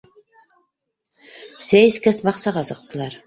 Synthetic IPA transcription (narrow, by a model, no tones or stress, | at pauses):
sæjskæsbɑqsɑʁɑsɤ̆q̚t̪ɤ̆lˠɑɾ